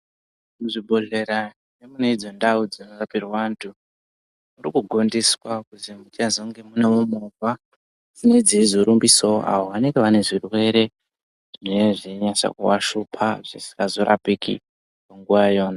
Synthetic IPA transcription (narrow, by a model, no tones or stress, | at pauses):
muʐibʱo̞ɮe̞ɾa | nemuneid͡zo̞ndaud͡zinoɡapirwantʰu | muɾikuɡʱo̞ndiswakuzimutazoŋɡe̞munemumuva | d͡zine̞d͡ziid͡zoɾumbiso̰ʔa̰woʋane̞ŋɡeʋane̞ʐirwe̞ɾe̞ | ʐineʐiɲasa̰kṵwaʃupʰaʐ̥isi̥kɡazo̞ɾʔa̰pikʰḭ | paŋɡuʋajjo̞ːna